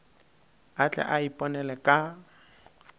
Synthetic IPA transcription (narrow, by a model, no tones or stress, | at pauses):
at͡ɬʼɛ̰ʔaipʼɔnɛlɛkʼa